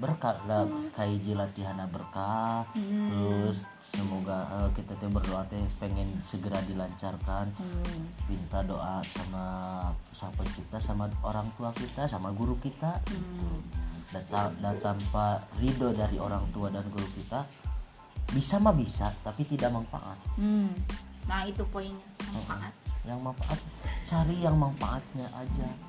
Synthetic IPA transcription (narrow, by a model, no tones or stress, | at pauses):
bərkalakaid͡ʒilat̪iɦanabərka | t̪əɾʊsː | əmoɡaəkit̪at̪ubərdoat̪ɛpeŋɛnsəɡəɾadilaɲt͡ʃarkan | pint̪adoʔasama | sapət͡ʃip̚t̪asamaoɾaŋt̪uakit̪asamaɡuɾukit̪ait̪udaadat̪amparidodaɾioɾaŋt̪uadanɡuɾukit̪a | bisamabisat̪apit̪idak̚maŋfa̰ʔa̰t̪̩̚ | nait̪upoiŋ | maʔaat̪̚jaŋmaŋfaʔat̪̚t͡ʃaɾijaŋmaŋfaʔat̪̚ɲaʔad͡ʒa